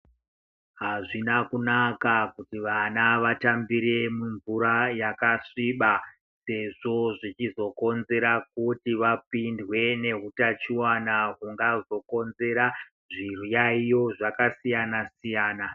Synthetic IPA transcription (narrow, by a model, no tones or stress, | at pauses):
ɦaʐinakunakakutiʋanaʋatambiɾe̞muɱvuɾajakaʂiɓa | se̞ʐo̞ʐit͡ʃizo̞ko̞nze̞ɾak̚utiʋapindwe̞ne̞ɦutat͡ʃiwanakuŋɡazo̞ko̞nze̞ɾa | ʐirujaijo̞ʐakasijanasijaːna